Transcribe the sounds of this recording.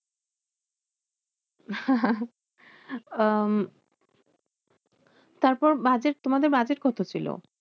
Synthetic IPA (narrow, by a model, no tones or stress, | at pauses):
t̪aɾpɔɾbad͡ʑeʈ̚t̪omad̪eɾbad͡ʑeʈkɔt̪ʰot͡ɕʰilo̰